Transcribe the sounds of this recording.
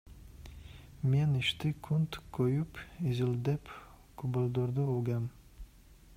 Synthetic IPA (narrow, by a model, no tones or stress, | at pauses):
meniʃt̪ɪkʰunt̪kʰojupizild̪ɛp | kʰubolˠd̪oɾd̪uoɡam